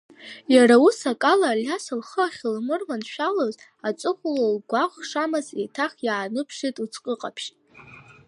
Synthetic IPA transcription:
jaɾausakʼalaljasalχəaχʲɪlmɨrmanʃᶣaloz | at͡sʷʼɨχʷlalɡʷaχʷʂamɨzetʰaχʲjaːnɨpʰʂitʼut͡sʰqʼəqʼapʰʃtʼ

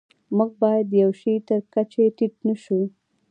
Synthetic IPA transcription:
muɡ̚bɑjad̪jawʃijt̪əɾkat͡ʃeʈiʈ̚nəʃu

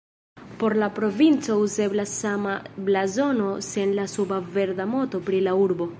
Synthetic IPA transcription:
po̞ɾlapɾo̞vint͡so̞uze̞blasamablazo̞no̞senlasubave̞ɾdamo̞to̞pɾilauɾbo̞

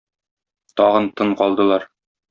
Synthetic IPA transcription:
t̪ɒʁɤnt̪ɤɴqɒlˠd̪ɤ̆lˠɑɾ

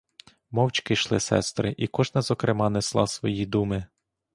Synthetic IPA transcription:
mɔwt͡ʃkɪʃlˠɪsɛ̰st̪ɾɪʔikɔʒnɐzɔkɾɪmɑnɛslˠɑ̰sʋɔjid̪umɪ

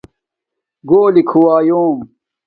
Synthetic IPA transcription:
ɡoːlikʰuwaːjũː

